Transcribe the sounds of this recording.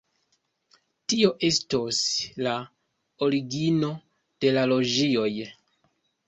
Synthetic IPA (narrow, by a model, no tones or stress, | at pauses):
tio̞ʔe̞stosla | o̞ɾiɡino̞ | d̥e̞lalo̞d͡ʒio̞j